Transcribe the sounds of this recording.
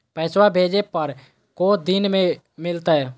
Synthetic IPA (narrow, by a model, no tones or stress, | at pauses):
pɛːswabʱeːd͡ʒepəɾ | kod̪inmẽ | mɪlt̪aɦɛ